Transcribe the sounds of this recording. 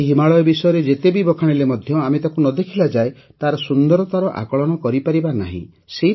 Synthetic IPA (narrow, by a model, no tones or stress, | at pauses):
ɦimaɭɔjɔbisɔjɔɾed͡ʒet̪ebibɔkʰaɽ̃ilemɔd̪ʱjɔamet̪akunɔd̪ekʰilad͡ʒae | t̪aɾɔsund̪ɔɾɔt̪aɾɔʔa̰kɔɭɔɽ̃ɔkɔɾipaɾibana̰ɦḭ̃ | se